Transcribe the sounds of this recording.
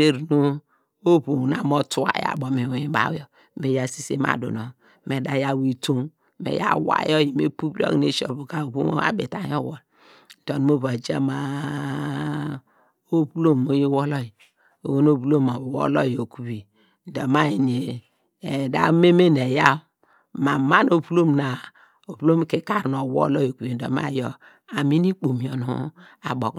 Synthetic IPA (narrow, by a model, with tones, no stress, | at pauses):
e˦ɾnu˦ | o˦bu˨na˨mɔ˦tu˦a̰˨ja̰˨bɔ˨me˨wji˦ba̰˨wjɔ˨ | me˨ja˦si˦sḛ˦ma̰˨dṵ˨nɔ˨ | me˨da˨ja˦˨wi˨to˦m | mḛ˨ja̰˦˨wa̰˨˦jɔ˦˨ji˨me˦pu˦bi˦ɔ̰˦˨ne˦ʃɔ˨bu˨ka˨o˨bṵ˦a̰˦bḛ˨ta˨˦ɔ˦˨wɔ˨l | n̩˨tɔ˨n˨˦mo˦βa˨d͡ʒa˦ma˨ | o˦plo˦mo˦je˦wɔ˦lɔ˦ji˨ | o˨wo˦no˦bu˦lo˦ma˨wo̰˦lɔ˦jo˨ku˨wi˨ | n˨dɔ˨ma˦ji˨ne˨ | da̰˦me˦me˦ne˨ja˦ | ma˨ma˦no˦pu˦lo˦mna˨ | o˨pu˦lo˦m˦ke˨ka˦ɾn˨o˨wɔ̰˦lɔ˦jo˨ku˨wi˨n̩˨dɔ̰˨ma̰˦˨jɔ˨ | a˨mi˦ni˦k͡po˨mi˨ɔ˨no̰˨˦a˨bo˨k